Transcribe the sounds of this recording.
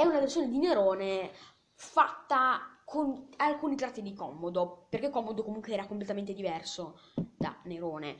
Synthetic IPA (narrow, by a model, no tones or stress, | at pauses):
ɛːunaversoːned̪ineɾoːne | fat̪ːakʰonalkuːnit̪ɾat̪ːid̪ikɔmːod̪operkekːɔmːod̪okomuŋkweɛːɾakomplet̪ament̪ed̪ivɛrso | d̪̥a̰neɾoːne